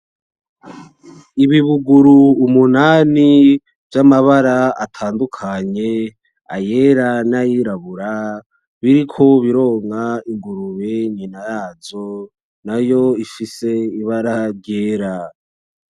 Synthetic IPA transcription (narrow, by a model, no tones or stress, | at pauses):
iβiβuɡuɾuːmunaːni | vjamaβaɾaatʰaːndukʰaɲe̞ | a̰je̞ɾanajiɾaβuɾa | βiɾikʰo̞βiɾo̞ːŋaiŋɡuɾuβeɲinajazo̞ | najo̞ifise̞iβaɾaɾɟeːɾa